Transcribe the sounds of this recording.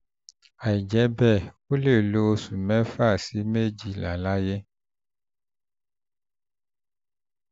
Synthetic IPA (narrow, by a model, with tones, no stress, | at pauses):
a˨i˨d͡ʒɛ˨˦bɛ˦˨wo˦le˦˨lo˨˦su˨mɛ̃˦fa˦˨si˨˦me˦d͡ʒi˦˨la̰˨la˦je˦